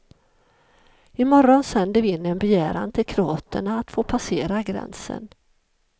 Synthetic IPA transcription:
ɪmɔɾɔnsɛnd̪əvɪɪnːɛnbɛjæːɾa̰nt̪ʰɪlkʰɾʊɑːt̪ʰəɳaːt̪foːpʰaseːɾaɡɾɛ̰nsə̰n

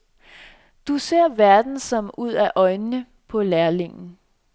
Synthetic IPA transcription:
d̥use̝ɐ̰ʋæɐd̥n̩sɒ̽muð̰ˠæʔɒ̽ɪnːə | pʰɒ̽læɐle̝ŋn̩

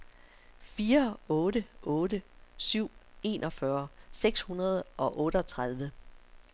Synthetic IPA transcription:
fiːɐɔ̽ːɾəʔɔ̽ːɾəsyʊ̰e̝̰ːnʔɒ̽fɶɐseɡ̥shunɐð̞ˠɒ̽ʔɔ̽ːɾəɒt͡sʰʁað̞ˠʋə

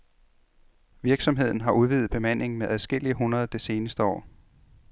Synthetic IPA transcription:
ʋiɐɡ̥sɒ̽mɦe̝ð̞̰ˠn̩ɦɑ̈uð̞ˠʋið̩ˠb̥e̝mæn̰e̝ŋ̩meʔæðˠsɡ̥el̰iəɦunɐð̞̩ˠd̥e̝se̝ːnəsd̥əɒ̰ː

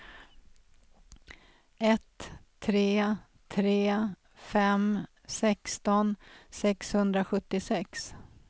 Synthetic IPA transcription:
ɛt̪ʰː | ɾeː | t̪ʰɾeː | fɛm | sɛkst̪ɔnsɛkshɵnd̪ɾaɧɵt̪ːɪsɛks

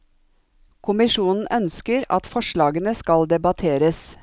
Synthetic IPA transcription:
kʰʊmɪʃuːnn̩ʔœnskəɾɑ̰t̪fɔʃɭɑːɡənəskɑld̪ɛbɑt̪ʰeːɾəs

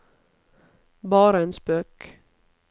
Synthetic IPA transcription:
bɑːɾəeːnspøːk

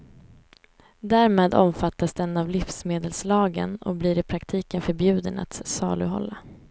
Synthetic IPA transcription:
d̪æːɾmeːd̪ɔmfat̪ːasd̪ɛnːavlɪfsmeːd̪əlslɑːɡə̰nɔ̰bliɾɪpʰɾakt̪ʰiːkənfœɾbjʉ̟ːd̪əna̰t̪sɑ̰ːlɵ̰ɦɔ̰lːa

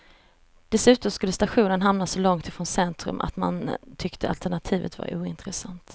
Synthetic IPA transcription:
d̪̥ɛsʉ̟ːt̪ɔmskɵlːəst̪aɧuːnənɦamnasɔlɔŋt̪ɪfɾɔnsɛnt̪ɾɵ̰mʔa̰t̪ma̰nt̪ʰʏkt̪ʰəa̰lt̪æɳat̪ʰiːvə̰t̪va̰ɾuːɪnt̪ɾɛsant̪

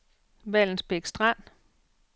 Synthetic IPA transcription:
ʋæl̰n̩sb̥eɡ̥sd̥ʁan̰

